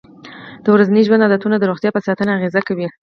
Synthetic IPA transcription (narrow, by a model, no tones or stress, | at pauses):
d̪̥əwɾazaniʒwand̪ɑd̪at̪unad̪əɾoɣt̪jɑpəsɑt̪ənaːɣezakawi